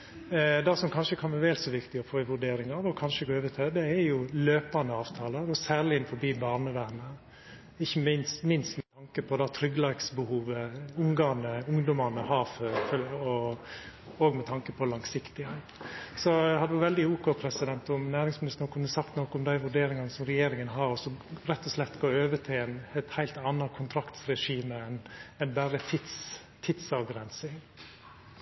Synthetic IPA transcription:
d̪ɑsɔmkʰɑnʂəkʰɑnʋɛʋɛːlsɔʋɪkt̪ɪɔfoːɪʋʉɖeːɾɪŋɑʋɔkʰɑnʂəɡoːøːʋət̪ʰɛd̪ɛæjʊløːpɑnəɑːʋt̪ʰɑːləɾɔsæːɭɪɪnfɔbiːbɑːɾnəʋ̪æɾmə | ɪçːəmɪnst̪mɪnst̪mɛt̪ʰɑŋkəpʰɔd̪ɑt̪ʰɾʏɡlɑɾksbəhuːʋəʊŋɡɑnəʊŋd̪ʊmɑnəhɑːføːɾfɔ | oːɡmɛt̪ʰɑŋkəpʰɔlɑŋsɪkt̪ɪhæɪt̪sɔæhɑd̪əʋɑʋɛld̪ɪuːkopʰɾɛsɪd̪ɛnt̪ɔmnæːɾɪŋsmɪnɪst̪ənɔkʰʉnːəsɑkt̪nɔkːəɔmd̪æɪʋʉɖeːɾɪŋɑnəsɔmɾɛjeːɾɪŋənɦɑɾɔsɔɾɛt̪ːɔslɛt̪ːɡoːɾøːʋət̪ʰɪlɛnɛt̪hæɪlt̪ɑnːɑkʰʊnt̪ʰɾɑkt̪sɾɛʂiːməɛnɛnbæːɾət̪ʰɪt̪s | t̪ʰɪd̪sɑʋɡɾɛnsɪŋ

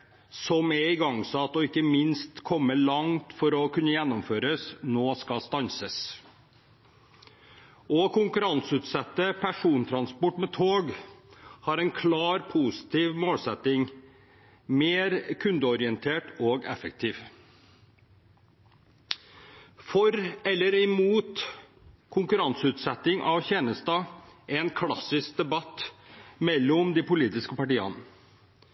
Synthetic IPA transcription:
sɔmɛɪɡɑŋsɑt̪ːɔɪkːəmɪnst̪kʰɔmːəlɑŋt̪fɔɾɔkʰʉnəjɛnːɔmføːɾəsnoːskɑst̪ɑnsəs | ʔɔkʰʊŋkʉɾɑnsʉːt̪sɛt̪ːəpʰæʂuːnt̪ʰɾɑnspɔʈmɛːt̪ʰoːɡ | hɑːɾɛɪnkʰlɑːɾpʰuːsɪ̥t̪ʰiːʋmoːlsɛt̪ɪŋ | meːɾkʰʉnd̪əɔɾɪɛnt̪ʰeːʈoːɡɛ̰fək̚t̪ʰiːʋ | fɔɾɛlːəɾɪmuːt̪ | kʰʊŋkʉɾɑnsʉːt̪sɛt̪ːɪŋʔɑʋçɛːnəst̪ɑːʔɛːnkʰlɑsɪsk̚d̪ɛbɑt̪ːmɛlːɔmd̪ipʊliːt̪ɪskəpɑʈiːɑ̰nə

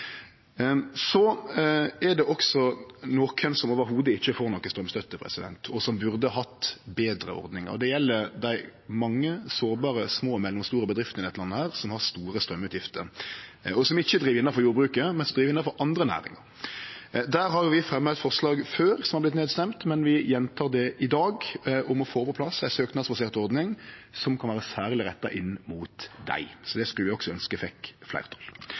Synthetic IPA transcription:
sɔ | ɛd̪ɛʔɔksɔnoːkʰənsɔmoːʋəɾɦuːd̪əɪçːəfoːɾnɔkːəst̪ɾœmst̪œt̪ːəpʰʁɛ̰sɪd̪ɛ̰nt̪ʰɔsɔmbʉʁd̪əɦɑt̪ːbeːd̪ɾə̰ɔ̰ɾd̪nɪŋə̰ɾɔ̰d̪ɛjɛlːəɾd̪æɪmɑŋːəsoːɾbɑːʁəsmoːmɛlːʊmst̪uːɾəbəd̪ʁɪft̪nɪɛt̪lɑnːəhæːʁsɔmhɑʁst̪uːɾəst̪ɾœmːʉːt̪jɪft̪əɾɔsɔmɪçːəd̪ɾiːʋɪnːɑfɔɾjuːɾbʁʉːkəmɛnsɔmd̪ʁiːʋɾɪnːɑfɔɾʔɑnd̪ʁənæ̰ːɾɪ̰ŋɑ̰ɾ | d̪æːɾɦɑɾʋɪfʁɛmːət̪fɔʁslɑːɡføːɾsɔmhɑʁblɪt̪neːd̪st̪ɛmt̪mɛnʋɪjɛnt̪ʰɑːʁd̪ɛʔɪd̪ɑːɡʔɔmɔfoːpʰɔpʰlɑsæsøːknɑd̪sbɑseːʁt̪ɔɾd̪nɪŋsɔmkʰɑnʋæːɾəsæːʁlɪɾɛt̪ːɑ̰ʔɪnːmuːt̪d̪æ̰ɪsɔd̪ɛskʉləʋɪɔksɔœnskəfɛkflæ̰ɪʁt̪ʰɔl

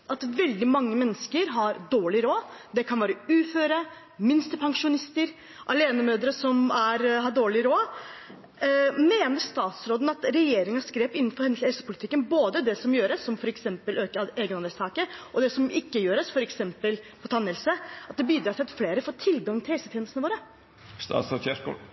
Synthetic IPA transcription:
ʔɑt̪ʋɛld̪ɪmɑŋːəmɛnːəskəɾɦɑɾd̪oːɭɪɾoːd̪ɛkʰɑnʋæːɾəʉːføːɾə | mɪnst̪əpʰɑŋʂʊnɪst̪əɾ | ʔɑleːnəmøːd̪ɾəsɔmæɾɦɑɖoːɭɪɾoː | meːnəɾst̪ɑːt̪sɾoːd̪n̩ɑt̪ɾɛjeːɾɪŋɑskɾeːpɪnːnfɔɾhɛnshɛlsə̥pʰʊlɪt̪ɪkːənboːd̪əd̪ɛsɔmjøːɾəsːɔmfɔɾɛksɛmpəløːkəɾɑeːɡənɑnəlst̪ɑːkəʔɔd̪ɛsɔmɪkːəjøːɾəsfɔɾɛksɛmpəlpʰɔt̪ʰɑnːɛlsəɑt̪̚d̪ɛbiːd̪ɾɑːɾæɪɑt̪fleːɾəfoːʈ̪ʰɪlɡɑŋːt̪ɪlhɛlsət̪ʰɛːnəst̪nəʋoːɾə | st̪ɑ̰ːsçæʂkṵː

